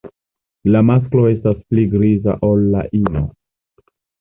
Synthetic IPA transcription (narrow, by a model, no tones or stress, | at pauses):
lamas̬klo̞e̞staspliɡɾiza̰ʔo̞lːa̰ʔino